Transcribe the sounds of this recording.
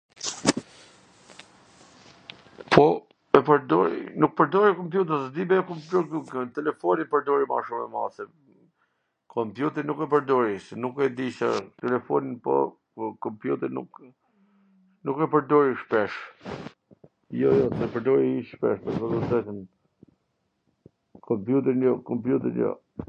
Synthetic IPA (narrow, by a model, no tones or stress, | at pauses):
pʰɔ | ɛpəɾd̪ɔɾḭnuk̚pəɾd̪ɔɾikɔmpjut̪̬əsd̪ibɛɔkɔmput̪ɛlɛfɔnipəɾd̪ɔɾima̰ʃumɛ̰ma̰sɛ | kʰɔmpjut̪ɛɾnukɛpəɾd̪ɔɾisɛnukɛd̪iʃa̰t̪ɛlɛfɔninpɔ̰ | kɔmpjut̪ɛɾnṵk | nukɛpəɾd̪ɔɾiʃpɛʃ | jɔjɔsɛpəɾd̪ɔɾiiʃpɛ̰ʃt̪ɛsɔzɔd̪ɛt̪ən | kʰɔmpjut̪̬ɛɾnjɔkɔmpjut̪ɛɾnjɔ̰